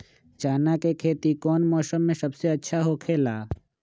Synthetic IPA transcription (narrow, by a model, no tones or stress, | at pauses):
t͡ʃaːnakekʰeːt̪ikɔːnmɔːsəmːẽsɐbseɐtːʃʰaɦokʰeːlaː